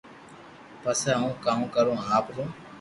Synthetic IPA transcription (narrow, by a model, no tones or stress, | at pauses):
pəsaːɦũːkaːũːkəɾõːaːpɾõː